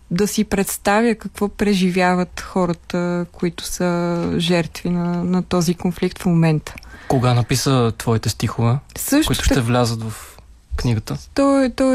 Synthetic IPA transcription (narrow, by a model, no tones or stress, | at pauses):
d̪ɐsipɾɛt̪st̪avjəkɐkv̥ɔpɾɛʒivjavət̪xɔɾət̪əkʊit̪ʊ̥səʒɛɾt̪vinɐnɐt̪ɔzikonflikt̪fmomɛnt̪ə̥koɡanɐpisət̪vɔit̪ɛst̪ixovɛsɤʃtit̪ʊ̥ʃt̪t̪ɛvlʲazət̪vɐf | kniɡət̪ət̪ɔt̪ɔ